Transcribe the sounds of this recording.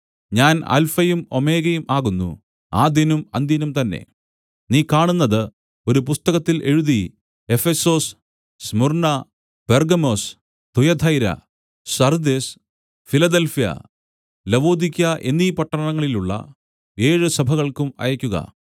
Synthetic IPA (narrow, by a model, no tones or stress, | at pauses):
ɲaːnɐ̰lfɐjumo̞meːɣɐjumʔaːɣunːṵ | aːd̪jɐnumɐnd̪jɐnumt̪ɐnːe̞̰ | niːkaːɳunːɐðɨ | o̞ɾupust̪ɐɣɐt̪ːilʔe̞ɻuði | e̞feso̞ːs | smurnɐ | perɡɐmo̞ːs | t̪ujɐd̪ʱʰɐjɾɐ̰ | sɐrd̪es | filɐd̪elfijɐ̰ | lɐʋo̞ːd̪ikʲːɐʔe̞nːiːpɐʈːɐɐɳɐŋːɐɭiluɭːɐ̰ | e̞ːɻɨsɐbʱɐɣɐɭkumɐ̰jɐkʲːuɣɐ̰